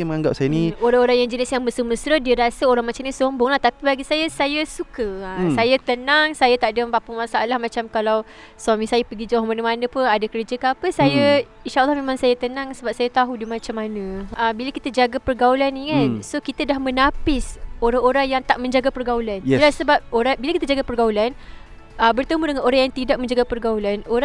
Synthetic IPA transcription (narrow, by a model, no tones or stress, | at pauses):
məŋaŋɡa̰p̚sajənĩoɾaŋoɾaŋjaŋd͡ʒənɪsjaŋbəsəməsɾədiəɾasəoɾaŋmat͡ʃamnisombʊŋlaht̪apibaɡisajəsajəsukəəsajət̪ənaŋsajət̪aʔdəmbapəmasaʔalahmat͡ʃamkalaw | swamisajəpəɡid͡ʒaɦmanəmanəpʊnadakəɾd͡ʒəkaapəsajə | inʃaʔəlːɑhmemaŋsajət̪ənaŋsəbap̚sajat̪aɦudimat͡ʃamːanə̃əbiləkit̪əd͡ʒaɡapərɡaulaniŋansokit̪ədahmənapɪsoɾaŋoɾaŋjaŋt̪aʔmə̃ɲd͡ʒaɡapərɡaulanlasəbap̚oɾabilakit̪əd͡ʒaɡapərɡaulan | əbərt̪əmudəŋanoɾaŋjaŋt̪idaʔk̚mə̃ɲd͡ʒaɡapərɡaulanoɾa